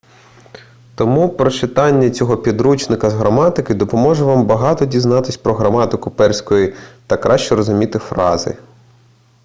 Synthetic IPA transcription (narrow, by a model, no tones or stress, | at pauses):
t̪ɔmupɾɔt͡ʃɪt̪ɑnʲːɐt͡sʲɔɦɔpʲid̪ɾut͡ʃnɪkɐzɦɾɐmɑt̪ɪkɪd̪ɔpɔmɔʒɛʋɑmbɐɦɑt̪ɔdʲiznɑt̪ɪsʲpɾɔɦɾɐmɑt̪ɪkʊpɛrsʲkɔjit̪ɐkːɾɑʃt͡ʃɛɾɔzʊmʲit̪ɪfɾɑzɪ̰